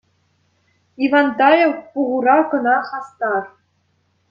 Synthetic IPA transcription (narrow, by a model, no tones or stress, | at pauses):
ivɑnd̪ɑjowpuʁuɾɑkɤ̆nɑχɑst̪ɑr